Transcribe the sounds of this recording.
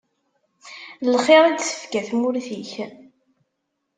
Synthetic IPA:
lχeɾˤid̪θə̥fkæθmuɾθiç

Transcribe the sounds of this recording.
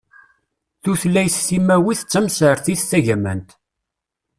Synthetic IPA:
θuθlːæjsθimæwiθət͡sːæmsəɾθiθθæʝæmæ̰nt̪

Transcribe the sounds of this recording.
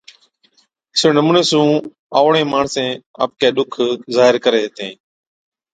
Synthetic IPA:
sɪnəmuːneːsũː | aːʋɳẽːmaːɳsẽːa̰ːp̚keːɗʊkʰzaːɦɪɾkəɾeːɦt̪ẽː

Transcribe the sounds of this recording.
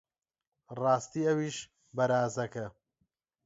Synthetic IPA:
rɑːst̪iːɐwiːʃ | bɐɾaːzɐkɐ

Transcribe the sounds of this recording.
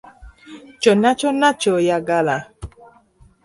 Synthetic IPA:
t͡ʃɔnat͡ʃɔnat͡ʃɔjaɡala

